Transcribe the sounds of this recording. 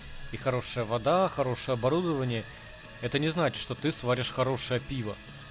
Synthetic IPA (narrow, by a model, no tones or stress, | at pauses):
ixɐɾo̞ʂɨjəvɐd̪axɐɾo̞ʂɨjəɐbɐɾud̪əvənʲɪjə | ɛt̪ənʲɪznat͡ɕɪ̥ʂt̪o̞t̪ɨsvaɾʲɪʂxɐɾo̞ʂɨjəpʲivə̰